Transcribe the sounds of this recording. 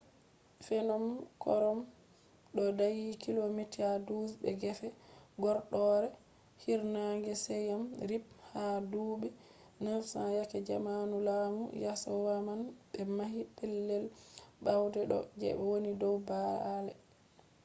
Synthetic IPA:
fɛnɔmkɔ̰ɾɔm | ɗɔdajikilomitiadusbɛ̰ɡɛfɛɡɔɾɗɔɾɛ | hiɾnaŋɡɛsɛjamɾip̚hadubɛ | nafsajakɛd͡ʒamanulamṵjasɔwamanɓɛmahipɛlːɛlɓawdɛɗɔ̰d͡ʒɛ̰ɓɛwonidɔwbaalɛ̰

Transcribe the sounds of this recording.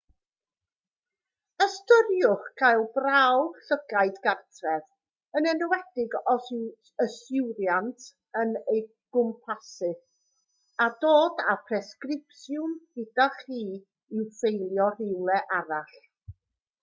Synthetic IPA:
əstʊɾjʊχɡ̥ajlˠbrawɬəɡ̥aɨdɡartʰrɛð | ənənəwɛdɪɡɔ | əsɪwɾjantʰ | ənəj | ɡ̥ʊmpʰasɨ | adoːdapʰrɛskrɪpsjʊmɡɪdaχiː | ɪwfejlˠjɔrɪwlˠɛʔaɾaɬ

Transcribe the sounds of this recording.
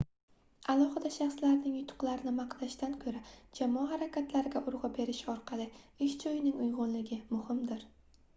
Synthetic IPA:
alˠɒhɨd̪aʃɑχslaɾnɪŋjʊt̪ʰʊ̥qlˠaɾɪnɪmɑqd̪aʃt̪ankʰɵɾad͡ʒamɒaɦaɾakʲat̪ʰlaɾɪɡʲaʔʊɾʁɑbe̞ɾɪʃɒɾqʰɑlˠɪɪʃd͡ʒɒjɪnɪŋʊjʁʊnlɪɡʲɪmʊhɪmd̪ɪɾ

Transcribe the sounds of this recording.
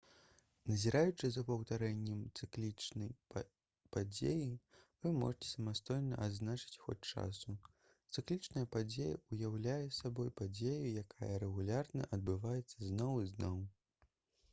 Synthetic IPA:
nɐzʲiɾajut͡ʂɨzɐpɐwt̪aɾɛnʲːɛmt̪sɨklʲit͡ʂnɐj | pad͡zʲḛjivɨmɔ̰ʐɨt͡sʲɛ̥sɐmast̪ɔjnɐʔad̪znat͡ʂɨ̥t͡sʲxɔ̰t͡sʲt͡ʂa̰su | t̪sɨklʲit͡ʂnɐjɐpad͡zʲejɐ̰ujawlʲajɛsabɔjpad͡zʲejujakajɐɾɛɣulʲarnɐ̰ʔɐd̪̚bɨvajɛt̪sːɐznɔwiznɔw

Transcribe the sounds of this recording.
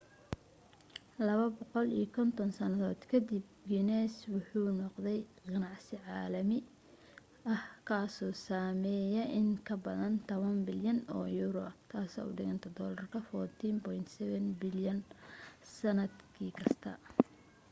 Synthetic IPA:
lɐβɐbɔqɔlḭɔkʰɔnt̪ʰɔnsɐnɐðɔːd̪̥kʰɐd̪ɪb̚ɡɪnɛswʊħuːnɔqd̪ɛjqɑnɑʕsɪʕɑːlɐmɪ | ɐhkʰaːsɔːsaːmɛːjɛʔɪŋkʰɐbɐðɐnt̪ʰɔβɐnbɪljɐnɔ̰ːjuːɾɔt̪ʰaːsɛ̰ːʊɖɪɣɐnt̪ʰɐd̪ɔːlɐrkʰɐfɔt̪ʰiːmpɔjnt̪sɛβɛnbɪljɐnsɐnɐd̪kʰiːkʰɐst̪ʰɐ̰

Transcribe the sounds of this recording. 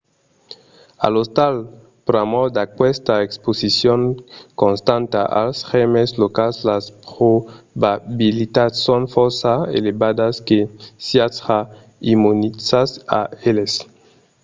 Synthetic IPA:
a̰lost̪al | pɾamod̪akwɛst̪aeksposisjoŋkõnst̪ãnt̪aʔa̰lsxemeslokalslaspɾobabilit̪ad̪sonfoɾsaḛlebad̪askesiasa | imunisasaeles

